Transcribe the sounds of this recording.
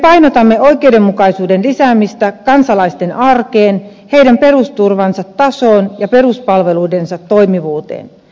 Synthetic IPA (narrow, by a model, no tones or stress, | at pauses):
epɑjnot̪ɑmːeoikeudemːukɑisuːdenlisæːmist̪ækɑnsɑlɑist̪enʔɑrkeːn | he̞idæmpe̞rust̪urʋɑnsɑt̪ːɑsoːnjɑpe̞ruspɑlʋe̞luidensɑt̪ːojmiʋuːt̪ḛːn